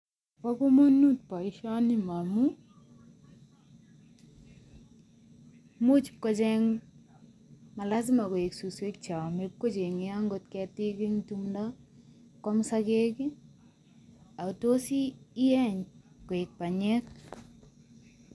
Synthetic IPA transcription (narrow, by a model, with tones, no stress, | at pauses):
pa˦ko˦mo˦nu˦t̚pa˨iʃa˦nima˨mu | mu˦t͡ʃ̚kɔ˦t͡ʃɛ˦ŋ | ma˨la˦s̬ɪ˦ma˨ko˨e˨ksu˨swe˦k̚t͡ʃa˨mep̚ko˦t͡ʃe˨ŋɪaŋɡo˨tkɛ˧ti˦kɪ˦ŋtumda˦ | kɔ˦msake˦ki˦ | a˨u˨to˦siː˦ɛ˦ɲ | ko˨e˨k̚pa˨ɲɛ˦k̚